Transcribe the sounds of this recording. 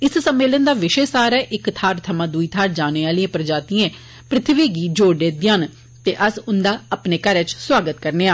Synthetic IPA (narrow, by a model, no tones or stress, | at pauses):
ɪssəmːeːlənd̪aːʋɪʃeːsaːɾɛːʔɪkt̪ʰaːɾt̪ʰəmãːd̪uiːt̪ʰaːɾd͡ʒaːneːaːliẽpɾəd͡ʒaːt̪iẽː | pɾɪt̪ʰʋiːɡiːd͡ʒoːɽɖ̪eːd̪jaːn | t̪eːʔəsʊnd̪aːəpneːkəɾɛːt͡ʃswaːɡət̪kəɾneːaː